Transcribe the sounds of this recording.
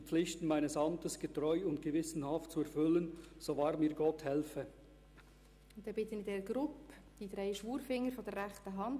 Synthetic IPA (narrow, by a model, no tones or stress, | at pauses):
p͡flɪçtn̩maɪnəsɑmtəsɡ̥ətʁɔʏʊnt̚ɡ̥əvɪsn̩hɑftt͡suɛɾfʏlənz̥ovɑːɾmiːɾɡɔthɛlfə | ʊn̥ɛb̥ɪt̪ənɪdɛɾəɡ̥ɾʊp | d̥id̪ɾeɪʃʋuːɾfɪŋːəɾfɔd̥ərːɛχtəɦɑnd